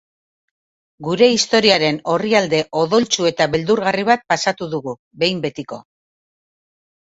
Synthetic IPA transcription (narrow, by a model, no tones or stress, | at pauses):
ɡuɾe̞ist̪o̞ɾiaɾe̞no̞riald̪e̞ʔo̞ðo̞lt͡ʃue̞t̪aβe̞ld̪uɾɣariβ̞at̪̚pasat̪uðuɣu | βe̞jmbe̞t̪iko̞̰